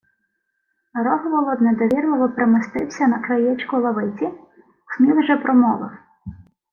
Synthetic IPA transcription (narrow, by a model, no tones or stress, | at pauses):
ɾɔɦɔʋɔlˠɔd̪nɛd̪ɔʋʲirlˠɔʋɔpɾemɪst̪ɪwsʲɐnɐkɾɐjɛt͡ʃkʊlˠɐʋɪt͡sʲi | smʲiwʒɛpɾɔmɔʋˠɪ̰w